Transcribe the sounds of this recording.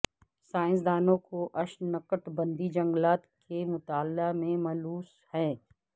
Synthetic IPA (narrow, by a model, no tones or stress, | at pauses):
saːɪ̃ns̬d̪aːnõkoʔɐʃnɐkəʈbɐ̃nd̪id͡ʒɐ̃ŋɡlaːt̪kʰemʊt̪aːlamẽmɐluːs | hɛ̃ː